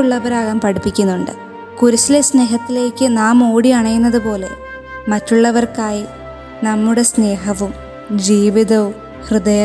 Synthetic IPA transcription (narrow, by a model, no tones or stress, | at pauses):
uɭːɐʋɐɾaːɣaːmpɐɽipːikʲːunːuɳɖɨ | kuɾusilesne̞ːɦɐt̪ːile̞ːkʲːɨnaːmo̞ːɽiɐɳɐjunːɐðɨpo̞ːle̞̰ | mɐtːuɭːɐʋɐrkaːji | nɐmːuɽe̞sne̞ːɦɐʋum | d͡ʑiːʋiðɐʋum | hrɨd̪ɐjɐ